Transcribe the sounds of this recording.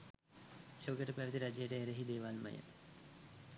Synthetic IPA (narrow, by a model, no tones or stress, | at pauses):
ʃoːɡəʈəpæʋit̪iɾad͡ʒejəʈəeɾəɦid̪eːʋalmə̰jə̰